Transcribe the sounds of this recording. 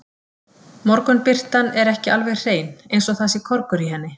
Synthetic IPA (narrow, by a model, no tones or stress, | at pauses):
mɔɾkʏnpɪr̥t̪anɛɾɛhcɪʔalvɛɣr̥eːjnejnsɔɣθasɪkʰɔɾkʏɾiɦɛnːɪ